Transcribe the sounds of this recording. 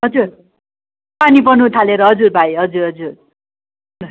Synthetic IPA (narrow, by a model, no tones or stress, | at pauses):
ɦʌd͡zur | panipʌnũt̪ʰaleɾʌɦʌd͡zurbʱajɦʌd͡zuɾɦʌd͡zur